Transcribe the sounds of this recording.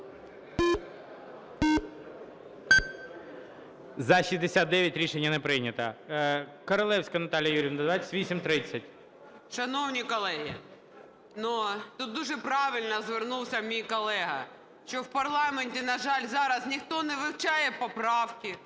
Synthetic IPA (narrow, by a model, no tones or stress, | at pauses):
zɐʃizʲd̪esʲat̪̚d̪ɛʋʲjɐtʲɾʲiʃenʲːɐnɛpɾɪjnʲɐt̪ɐ | kɔɾɔlˠɛwsʲkɐnɐt̪ɑlʲijɐjuɾʲɪʋnɐd̪ʋat͡sʲːɐ̥tʲʋʲisʲimt̪ɾɪt͡sʲːɐt̚ʲ | ʃɐnɔwnʲikɔlˠɛɦi | nut̪ut̪̚d̪uʒɛpɾɑʋɪlʲnɐzʋernuwsʲɐmʲijkɔlˠɛɦɐ | ʃt͡ʃɔwpɐrlˠɑmenʲtʲinɐʒɑlʲzɑɾɐznʲixt̪ɔnɛʋɪwt͡ʃɑjɛpɔpɾɑwkʲɪ